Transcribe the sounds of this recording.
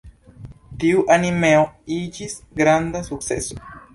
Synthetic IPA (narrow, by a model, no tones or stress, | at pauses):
t̪iuʔanimeoid͡ʒisɡɾand̪asuk̚sḛso̥